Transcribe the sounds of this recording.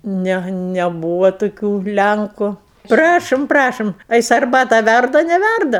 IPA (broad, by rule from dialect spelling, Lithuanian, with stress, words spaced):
ˈnʲɛ nʲɛˈbuːʋɐ toːˈkʲuː ˈlʲæŋkʊ ˈprɑːʃoːm ˈprɑːʃoːm ɐ ˈjɪs ɐrˈbɑːtɑː ˈʋʲærdɐ ɐ nʲɛˈʋʲærdɐ